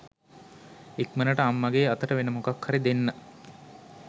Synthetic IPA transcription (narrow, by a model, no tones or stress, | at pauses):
ekmənəʈəamːaɡeːɐt̪əʈəʋenəmukakhaɾid̪enːə